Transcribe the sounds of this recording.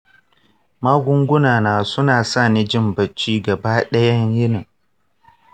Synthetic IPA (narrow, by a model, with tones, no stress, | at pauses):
maː˦ɡʷʊ˦ŋɡʷʊ˦naː˨naː˨sʊ˦naː˨sa˦˨ni˦d͡ʒɪ˦mbɐ˨t͡ʃːiː˦ɡɐ˨baː˦ɗɐ˦jɐ˦ɲjɪ˦nɪ˨